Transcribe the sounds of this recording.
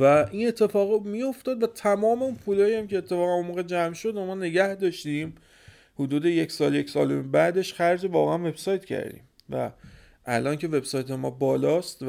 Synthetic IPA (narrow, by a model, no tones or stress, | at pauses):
væʔiːne̞t̪ʰːe̞fɒːɣmijo̞ft̪ɒːd̪væt̪ʰæmɒːme̞unpʰuːlɒːjiæmcʰeːt̪ʰːe̞fɒːɣænomɒːɣed͡ʒæmʃo̞d̪æmɒːne̞ɟæhd̪ɒːʃt̪ĩːm | hod̪uːd̪e̞je̞csɒːljecsɒːlombæd̪e̞ʃχæɾd͡ʒevɒːɣeʔænve̞b̥sɒːjt̪cʰæ̰ɾd̪ḭːm | væ̰ | ʔælʔɒːncʰe̞ve̞bsɒjt̪ʰe̞mɒːbɒːlɒːst̪v